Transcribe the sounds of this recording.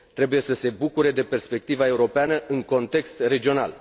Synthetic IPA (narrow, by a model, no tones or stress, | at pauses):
t̪ɾe̞buje̞səse̞bukuɾe̞d̪e̞pe̞rspe̞k̚t̪ivae̞uɾo̞peanəʔɨŋko̞nt̪e̞kst̪re̞d͡ʒio̞na̰l